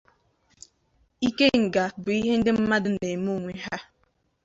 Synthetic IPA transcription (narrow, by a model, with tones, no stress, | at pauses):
i˦ke˦ŋ̩˨ɡa˨bʊ˨i˦ɦe˦n̩˦de˦m̩˦ma˦dɨ˨ne˨mu˦˨ŋʷe˨ɦa˦